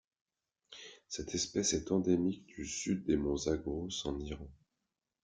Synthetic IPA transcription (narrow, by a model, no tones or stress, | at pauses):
sɛt̪ʰɛspɛsɛt̪ɑ̃d̪emik̚d̪̥ysyd̪ːemɔ̃zaɡosɑ̃niʁɑ̃